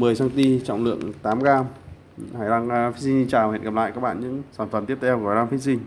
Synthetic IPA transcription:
mɨ˨˩əjsaː˧ŋt̪i˧t͡ɕɔ̰˧˨wŋ͡mlɨ̰˧˨əŋt̪aː˨˦mɣaː˧ | haː˨˧˩jlaː˧ŋ˧fi˦˥si˧ŋt͡ɕaː˨˩whḛ˧˨nkə˨˩la̰ː˧˨ka˦˥k̚ɓ̰aː˧˨nɲɨ̰˧˥ŋsaː˧˩nfə˨˩mt̪i˦˥ət̪ʰɛ˧wkla˧ŋfi˦˥t̚si˧ŋ

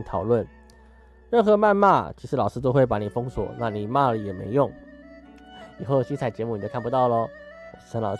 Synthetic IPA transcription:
t̪ʰɑ˨˩ʊlwə˥˩n | ɻə˥˩nxɤ˧˥ma˥˧nma˥˩t͡ɕʰi˧˥ʂɻ̩˧˥lɑ˨˩ʊʂɻ̩˥t̪o˥ʊxwe˥˩ɪpa˧˥ni˨˩fɤ˥ŋswɔ̰˨˩˦na˥˩ni˨˩ma˥˩lə˨˩jɛ˨˩mḛ˧˥ɪjʊ˥˩ŋ | i˨˩xo˥˩ʊɕi˥t͡sʰa˨˩ɪt͡ɕjɛ˧˥mu˥˩n˨˩t͡ɕo˥kʰa˥˩pu˧t̪ɑ˥˩ʊlə˨ə˧˥nlɑ̰˨˩

